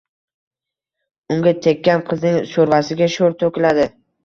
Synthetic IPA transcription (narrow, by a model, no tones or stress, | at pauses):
ʊŋɡʲat̪ʰe̞kʲːanqʰɨznɪŋʃoɾvasɪɡʲaʃoɾt̪ʰokʲɪlad̪ɪ